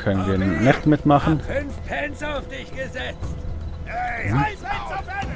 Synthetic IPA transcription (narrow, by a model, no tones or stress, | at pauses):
kʰœnənviːnɛʁt̪mɪt̪mɑχən̩fʏnfpʰɛnsaʊfd̥ɪçɡ̥əzɛt͡st